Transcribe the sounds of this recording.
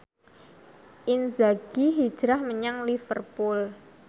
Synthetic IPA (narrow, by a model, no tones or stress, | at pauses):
ʔinzaɡ̥iɦid̥ʒ̥ɾahməɲaŋlifərpʊl